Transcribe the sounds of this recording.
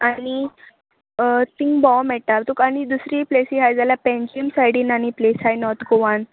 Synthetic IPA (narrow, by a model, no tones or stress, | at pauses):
aɽ̃i | t̪iŋɡbɔmɛʈaɾt̪ukaɽ̃id̪usɾiplesiɦajd͡zaljapɛ̃ɲd͡ʑiəmsajɽiːnaɽ̃iplesajnɔt̪ʰɡoʋãn